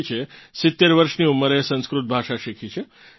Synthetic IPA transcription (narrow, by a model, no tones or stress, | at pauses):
t͡ʃʰesɪt̪ːeɾʋəɾʃniumːəɾesə̃nskɾut̪̚bʱaʃaʃikʰit͡ʃʰe